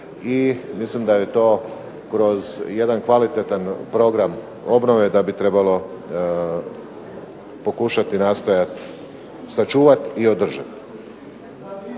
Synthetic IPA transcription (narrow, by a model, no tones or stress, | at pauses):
imislimd̪aje̞t̪o̞ː | kɾo̞zje̞d̪ankʋalit̪et̪anpɾo̞ɡɾam | o̞bnoʋe̞d̪abit̪ɾe̞balo̞ | po̞kuʃat̪inaːst̪o̞jat̪ | sat͡ʃuːʋat̪io̞d̪r̩ʒa̰t̪